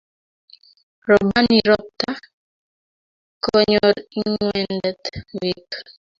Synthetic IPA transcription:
ɾɔbaniɾɔp̚t̪a | kɔɲɔɾiŋwɛndɛt̪wik

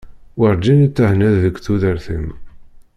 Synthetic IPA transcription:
wəɾˤd͡ʒint͡sːəhnæðːəkʷːθuðəɾθəm

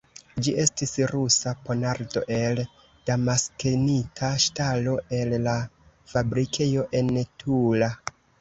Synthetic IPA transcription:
d͡ʒiʔe̞stisɾusapo̞naɾdo̞̰ʔe̞l | d̥amaskenitʰaʃtalo̞e̞lːa | fabɾikʰe̞jo̞ʔe̞ntʰula

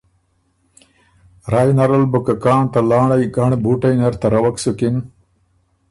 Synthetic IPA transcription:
ɾaːjnɐɾɐlbukɐkɑːɳt̪ɐlɑːɳɐjɡɐɳbuːʈɐjnɐɾt̪ɐɾɐwɐksukin

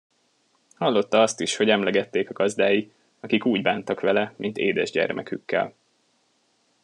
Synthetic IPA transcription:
hɒlːo̞t̪ːɒɒst̪iʃho̞ɟɛmlɛɡɛt̪ːeːkɒɡɒzd̪aːji | ɒkikuːɟbaːnt̪ɒkʋɛlɛmint̪ḛːd̪ɛ̰ʒɟɛ̰rmʔɛ̰kykːɛ̰l

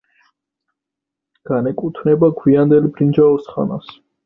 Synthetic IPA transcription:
ɡ̥anɛkʼut̪ʰnɛbaɡwiand̪ɛlbɾind͡ʒaɔsχa̰na̰s

